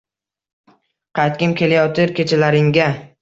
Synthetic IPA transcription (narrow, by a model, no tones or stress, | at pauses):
qʰɑjt̪̚kʲɪmkʲʰe̞lajɒt̪ʰɪɾkʲe̞t͡ʃʰalaɾɪŋɡʲa